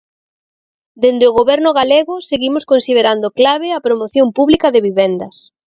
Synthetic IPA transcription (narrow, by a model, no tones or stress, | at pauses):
d̪end̪ɪʊɣoβɛɾnʊɣaleɣʊseɣimʊskonsið̞eɾand̪ʊklaβ̞ɪɐpɾomoθjompuβlikɐðɪβiβɛnd̪ɐs